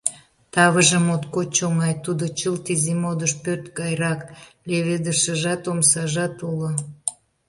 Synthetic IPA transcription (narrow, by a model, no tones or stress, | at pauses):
t̪ɑβəʒəmot̪kot͡ɕoŋɑjt̪ud̪ot͡ɕəlt̪izimod̪əʃpørt̪ɡɑjɾɑkleβed̪əʃəʒɑt̪omsɑʒɑt̪ulo